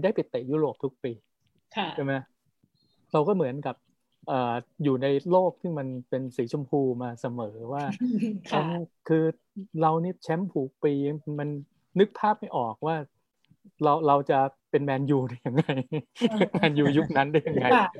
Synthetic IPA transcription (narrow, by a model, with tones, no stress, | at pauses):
daː˥˩jpi˨˩t̪ːeː˨˩juː˥˩ɾoː˨˩p̚t̪ʰu˦˥k̚piː˧˩ | a˥˩ma˦˥j | ɾa˧wkɔː˥˩mɯ˩˦ənka˨˩p̚ | ʔɤː˨˩juː˨˩na˧jloː˥˩k̚t̪ʰiː˥˩ma˧npe˧nsiː˩˦t͡ɕʰo˧mpʰuː˧maː˧sa˧mɤː˩˦waː˥˩ɾa˧˥˩kʰɯː˧ | ɾa˧wniː˥˩t͡ɕʰɛ˦˥mpʰuː˨˩˦k̚piː˧a˧˦˧ma˧nː | ɯ˦˥k̚pʰaː˥˩p̚ma˥˩jʔɔː˨˩k̚waː˥˩ | ɾa˧wɾa˧wt͡ɕa˨˩pe˧nmɛː˧njuː˧da˥˩ja˨˧ŋːa˧j | maː˧njuː˧ju˦˥k̚na˦˥nda˥˩ja˨˩ŋːa˧